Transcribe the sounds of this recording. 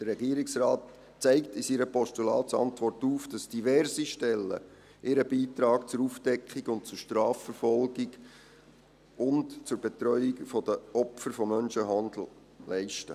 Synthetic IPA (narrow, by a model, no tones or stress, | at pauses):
d̥ərːɛɡiəɾɪksrɑːt | t͡sɛɪktɪsiːɾəpɔʃtulɑ̰ːtsɑ̰ntʋɔrtuːfd̥ɑsd̥ivɛɾsiʃtɛlːə̰ | ʔɪɾəbiːt̪ɾɑːkt͡sʊɾuːfd̥ɛkχiɡʊnt̚t͡sʊɾʃtɾɑːfəɾfɔlɡiɡ | ʊntt͡sʊɾb̥ɛt̪ɾœʏikfɔdəɔpfəɾfɔmːœnʃəɦɑnd̪l̩ | lɛɪʃtə̰